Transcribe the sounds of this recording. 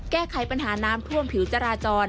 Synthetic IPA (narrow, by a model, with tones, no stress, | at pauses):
kɛː˥˩kʰa˩˦jpa˧nɦaː˩˦naː˦˥mt̪ʰu˥˩əmpʰi˨˩˦wt͡ɕa˧ɾaː˧t͡ɕɔː˧n